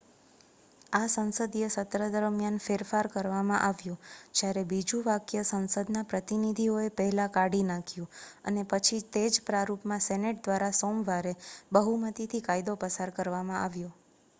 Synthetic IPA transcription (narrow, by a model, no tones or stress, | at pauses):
asə̃ñsəd̪jesət̪ɾəd̪əɾmjanfeɾfaɾkəɾʋamãʔaʋjod͡ʒjaɾebid͡ʒũʋakjəsə̃nsəd̪napɾət̪inid̪ʱioepəɦɛlãkaɽinãkʰjũə̰nepət͡ʃʰit̪ed͡ʒpɾaɾupmãsɛneʈ̚d̪ʋaɾasomʋaɾebəɦumət̪it̪ʰikajd̪opəsaɾkəɾʋamãʔaʋjo